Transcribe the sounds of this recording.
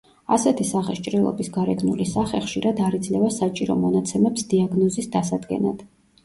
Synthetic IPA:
asɛt̪ʰisaχɛʃt͡ʃʼɾilˠɔ̰bisɡaɾɛɡnulisaχɛχʃiɾad̪aɾid̪zlɛvasat͡ʃʼiɾɔmɔnat̪sʰɛmɛpsd̪iaɡnɔzisd̪asad̪ɡɛ̰na̰d̪̥

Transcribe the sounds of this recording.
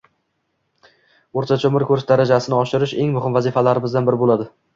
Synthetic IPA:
oɾt̪ʰat͡ʃʰomɪɾkʲʰɵɾʃd̪aɾad͡ʒasɪnɪɒʃɪɾɪʃe̞ŋmʊhɪmvazɪfalaɾɪmɪzd̪anbɪɾɪbolad̪ɪ

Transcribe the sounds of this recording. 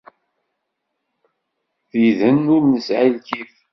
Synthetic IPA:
θiðənʊɾnəsʕilkiθ

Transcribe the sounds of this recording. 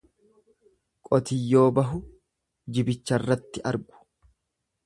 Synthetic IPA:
kʼɔt̪ɪjːo̞ːbɐɦʊ | d͡ʒɪbɪt͡ʃːɐrːɐt̪ːɪʔɐ̰ɾɡʊ̥

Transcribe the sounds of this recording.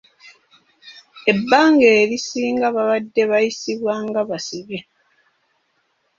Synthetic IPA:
e̞bːaːŋɡe̞ːɾisiːŋɡaβaβadːe̞βajisiβwaŋɡaβasiβe

